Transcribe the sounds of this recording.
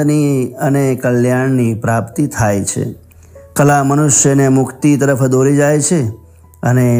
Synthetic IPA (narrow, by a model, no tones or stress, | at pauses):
niənekəljaɳnipɾapt̪it̪ʰajt͡ʃʰḛ | kəlamənʊʃjənemʊkʰt̪it̪əɾəfd̪oɾid͡ʒajt͡ʃʰe | əne